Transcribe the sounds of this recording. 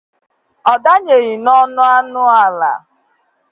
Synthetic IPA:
ɔ˨da˦ɲe˨ɣi˨nɔ˦nʊ˦a˦nʊ˦a˦˨la̰˨

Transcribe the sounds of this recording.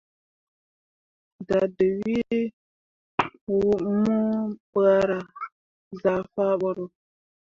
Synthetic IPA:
da˨də˨wi˦ | wu˦mu˦bə˦a˦ɾa˨ | za˨fa˦ɓə˦ɾo˨

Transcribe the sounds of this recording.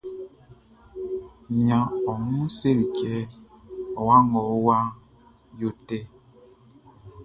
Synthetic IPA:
ni˨ã˨ɔ˨ŋu˦se˦ɾi˨kɛ˦ | ɔ˨wa˦ŋɔ˨˦wa˦ | jo˦tɛ˦

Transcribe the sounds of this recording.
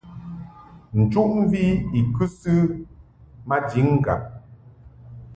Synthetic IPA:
n̩˨t͡ʃu˦ʔm̩˦vi˦i˨kʉ˦sɨ˦ | ma˦d͡ʒi˨˦ŋ˦ɡa̰˨

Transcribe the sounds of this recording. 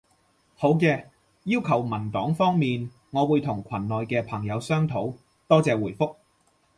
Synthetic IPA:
ho˨˥wkɛː˧ | jiː˥wkʰɐ˨˩wmɐ˨˩nt̪ɔː˨˥ŋfɔː˥ŋmiː˨n | ŋɔː˨˧wuː˨˧jt̪ʰʊ˨˩ŋkʷʰɐ˨˩nːɔː˨jkɛː˧pʰɐ˨˩ŋjɐ˨˧wsœː˥ŋt̪ʰo˨˥w | t̪ɔː˥t͡sɛː˨wuː˨˩jfʊ˥k̚

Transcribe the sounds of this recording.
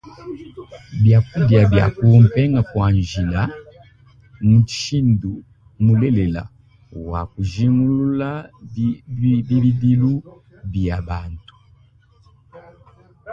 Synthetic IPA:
bja˨ku˦dja˨bja̰˨ku˦mpɛ˦ŋɡa˨kwa˨nʒi˨la˦ | mu˨t͡ʃi̥˦ʃi˦ndu˨ | mu˨le˦le˨la̰˨ | wa̰˨ku˨ʒi˦ŋɡu˦lu˦la˦ | bi˦βi˦di˦lu˦ | bja˨ba˨ntu̥˨

